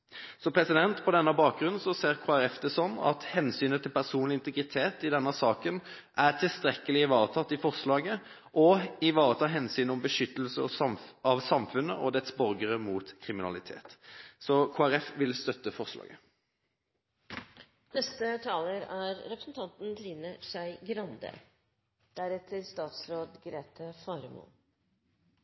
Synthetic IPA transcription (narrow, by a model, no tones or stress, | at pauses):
sɔmpʰɾɛsɪd̪ɛnt̪pʰɔd̪ɛnːəbɑːk̚ɡʁʉnsɔseːʁkʰoːæɾɛfd̪ɛsɔnːɑ̰t̪hɛnsyːnət̪ʰɪlpʰæʁsuːnlɪnt̪əɡʁɪt̪ʰeːt̪ɪd̪ɛnːəsɑːkən | ʔæʁt̪ʰɪlst̪ɾɛkːəlɪɪʋɑːʁət̪ʰɑt̪ːɪfɔʁslɑːɡə | ʔɔɪʋɑːʁət̪ʰɑːɦɛnsyːnɔmbəʂʏt̪ːəlsəɔɑʋsɑmfʉnːəʔɔd̪ɛt̪sbɔʁɡəʁəmuːt̪kʰʁɪmɪnɑ̰lɪt̪ʰḛːt̪sɔkʰoːæʁɛfʋɪlst̪œt̪ːəfɔʁslɑ̰ːɡə | nɛst̪ət̪ʰɑːləɾæɾɾɛpɾə̥sn̩t̪ʰɑnt̪n̩d̪ɾiːnəʂæɪɡɾɑnd̪ə̰ | d̪̥æɾɛt̪ʰəɾst̪ɑːt̪sɾoːd̪ɡɾeːt̪ʰəfɑɾmṵː